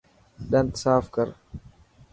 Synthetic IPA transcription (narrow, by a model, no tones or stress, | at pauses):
ɗɐ̃nt̪saːfkəɾ